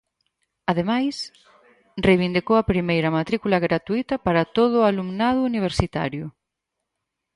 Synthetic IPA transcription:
aðemajs | rejβind̪ikowɐpɾimejɾɐmat̪ɾikulɐɣɾat̪uit̪ɐpaɾɐt̪oð̞ʊalumnað̞ʊːniβ̞eɾsit̪a̰ɾjʊ

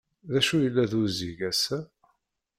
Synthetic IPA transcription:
ðæʃujəlːæðuziʝæsæ

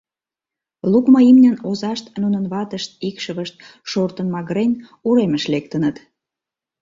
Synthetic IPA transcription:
lukməimnʲənozɑʃt̪nunənβɑt̪əʃt̪̚ikʃəβəʃt̪̚ | ʃort̪ənmɑɣɾenʲ | uɾeməʃlek̚t̪ənət̪

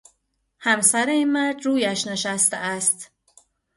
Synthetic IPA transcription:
hæmsæɾeinmæɾd̪ɾuːjæʃne̞ʃæst̪eæst̪

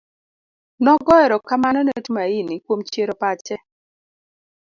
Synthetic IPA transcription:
nɔɡɔɛɾɔkamanɔnetmainikwomt͡ʃjeɾɔpat͡ʃɛ

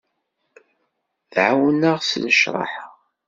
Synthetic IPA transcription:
θʕawnəʁsnəʃɾˤɑ̰ħa

